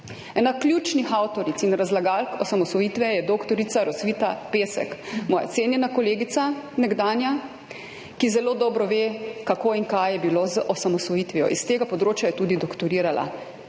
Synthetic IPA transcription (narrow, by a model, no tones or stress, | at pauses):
ɛnaklʲjuːt͡ʃnixawt̪ɔɾit̪sinɾazlaɡalkɔsamɔsɔjiːt̪ʋɛjɛd̪oːkt̪ɔɾit̪saɾɔsʋit̪apeːsɛ̰kmɔːja̰t̪seːnjɛnakɔleːɡit̪sanɛɡd̪aːnja | kizɛloːd̪ɔːbɾɔʋekakoːiŋkajjɛbiloːzʔɔsamɔsʋɔjit̪ʋijɔ̰ʔist̪eːɡapɔd̪ɾoːt͡ʃjajɛt̪uːd̪id̪ɔkt̪ɔɾiːɾala̰